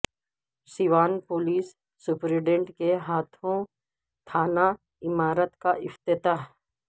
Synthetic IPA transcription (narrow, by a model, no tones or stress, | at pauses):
siʋaːnpoːliːsː | ʊpɾɪɖẽɳʈkeɦaːt̪ʰõ | t̪ʰaːna | ɪmaːɾət̪kaʔɪft̪ɪt̪aː